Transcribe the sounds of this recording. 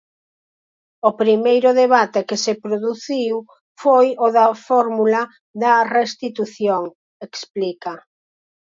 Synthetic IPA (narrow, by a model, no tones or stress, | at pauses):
opɾimejɾʊðeβat̪ekesepɾoðuθiw | fojoðɐfɔɾmulɐ | ðɐrest̪it̪uθjoŋ | eksplikɐ